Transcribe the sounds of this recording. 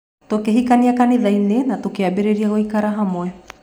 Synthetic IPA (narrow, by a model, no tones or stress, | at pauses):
t̪okeɦikaniakanilajnenatokeabeɾeɾiaɣoikaɾaɦamoe